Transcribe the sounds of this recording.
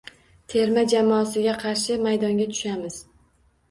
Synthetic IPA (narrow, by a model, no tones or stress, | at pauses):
t̪ʰe̞ɾmad͡ʒamɒːsɪɡʲaqʰɑɾʃɪmajd̪ɒŋɡʲat̪ʰʊ̥ʃamɪz̥